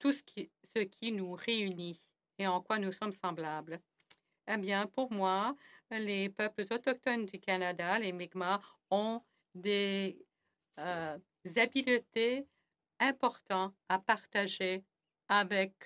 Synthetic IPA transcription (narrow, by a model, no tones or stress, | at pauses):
t̪uskʲisəkʲʰinuʁeyni | eɑ̃kwanusɔmsɑ̃blabl | ebjɛ̃puʁmwalepœpləzɔt̪ɔk̚t̪ɔnd̪ykanad̪alemɛɡmaɔ̃ | d̪e | zabilt̪e | ɛ̃pɔʁt̪ɑ̃apaʁt̪aʒe | avɛk